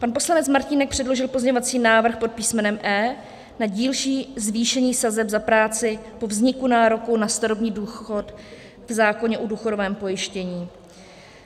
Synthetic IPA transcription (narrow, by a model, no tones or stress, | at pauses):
panpo̞slanɛt͡smaɾcɪnɛk̚pr̝̥ɛdlo̞ʒɪlpo̞zɲeɲovat͡siːnaːvr̩xpo̞t̪̚piːsmɛnɛmʔɛː | naɟiːlʃiːzviːʃɛɲiːsazɛbzapɾaːt͡sɪpo̞vzɲɪkunaːɾo̞kuwnast̪aɾobɲiːduːxo̞t | vzaːkoɲɛʔuduːxo̞dovɛːmpo̞jɪʃcɛɲiː